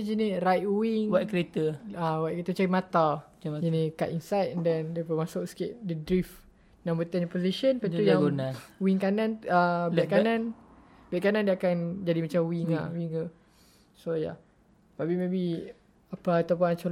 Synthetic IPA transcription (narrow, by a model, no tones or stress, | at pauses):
d͡ʒinirajt̚wiŋwakɾet̪əawaʔ̚kəɾet̪ət͡ʃaɾimat̪a | d͡ʒinika̰ʔinsajt̪̚ɛndɛndiəpəmasʊk̚sə̥kɪʔ̚dədɾif | nãmbət̪ɛnapoziʃənpat̪ujaŋɡunawiŋkanãnabɛʔkanãn | bɛʔ̚kanãndiakand͡ʒadimat͡ʃamwiŋa̰wiŋ | soja̰ | mabimebi | apaːt̪apuant͡ʃo